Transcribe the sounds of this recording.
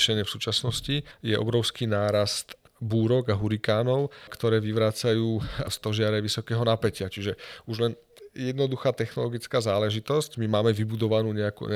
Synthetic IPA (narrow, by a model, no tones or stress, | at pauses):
ʃɛɲɪɛfsuːt͡ʃasnɔscijɛʔɔ̰bɾɔʊskiːnaːɾast̪ | buːɾɔɡaɦuɾikaːnɔʊkt̪ɔɾɛːʋiʋɾaːt͡sajuːst̪ɔʒɪaɾɛʋisɔkɛːɦɔnapɛcɪat͡ʃiʒɛuʒlɛn | jɛd̪nɔd̪uxaːt̪ɛxnɔlɔɡit͡skaːzaːlɛʒit̪ɔscmimaːmɛʋibud̪ɔʋanuːɲɛakṵː